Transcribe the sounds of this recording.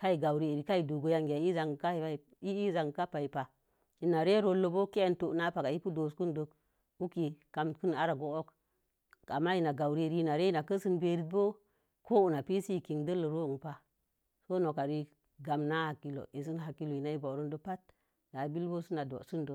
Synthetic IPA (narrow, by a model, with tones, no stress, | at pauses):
ka˦i˨ɡa˨wɾi˦e˨ɾi˨ka˦i˨du˨ɡo˦ja˦ŋɡʲa˨˦i˦za˨ŋ˨ka˦˨a˦˨ | i˦i˦za˨ŋ˨ka˦pa˨i˨pa˨ | i˨na˨ɾe˦ɾo˦lo˦bo˦ke˦e˦nto˨ʔna˦pa˨ka˨ji˦pu˦do˨sku˦ndo˨k | u˦ki˨ka˨mkɨ˦na˦ɾa˨ɡo˦˨o˦k | a˨mːa˦ji˨na˨ɡa˨wɾi˦˨ɾi˦i˦na˨ɾe˦i˦na˨kə˦sɨ˦nbe˨ɾi˦t̚bo˦ | ko˦u˨na˨pi˦si˦˨ki˨ŋdə˦lo˨ɾo˦˨ŋ˨pa˦ | so˦no˨ka˨ɾi˦ | ɡa˨mna˦ha˨kːi˦lo̰˨e˨s̬i˦nɦa˨kːi˦lo˨i˨na˨i˦bo˨ɾo˦ndo˦pa˦t̚ | da˨˦bi˦lbo˦su˦na˨do̰˨su˦ndo˨